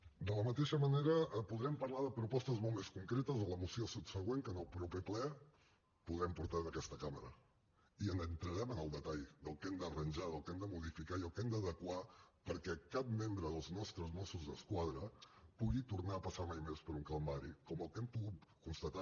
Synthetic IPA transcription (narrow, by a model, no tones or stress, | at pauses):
d̪ələmət̪eʃəməneɾəpuðɾɛmpəɾlaðəpɾupɔst̪əzmɔlˠtmeskuŋkɾet̪əzðələmusiosup̪səɣ̞weŋkənəlˠpɾupɛplɛ | puðɾɛmpuɾt̪aðəkɛst̪əkaməɾə | iənənt̪ɾəɾɛmənəlˠd̪ət̪aʎðəlˠkɛmd̪ərənʲʒaðəlˠkɛmd̪əmuð̞ifikaiəlˠkɛmd̪əðəkwapəɾkɛkap̚membɾəðəlˠznɔst̪ɾəzmɔsuzðəskwað̞ɾəpuɣit̪urnaəpəsamajmespəɾuŋkalˠmaɾḭkɔməlˠkɛmpuɣut̪kunst̪ət̪a